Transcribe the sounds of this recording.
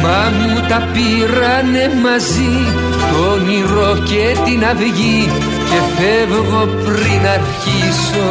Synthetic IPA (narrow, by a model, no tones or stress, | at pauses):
bɐmut̪ɐpi | ɾɐnemɐzi | t̪oniɾocet̪inɐvʝi | cefevɣopɾinɐɾçi | so